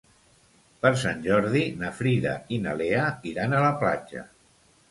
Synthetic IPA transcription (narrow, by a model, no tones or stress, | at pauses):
pəɾs̬anʲʒɔɾðinəfɾiðə̰inəleəiɾanələplad͡ʒə̰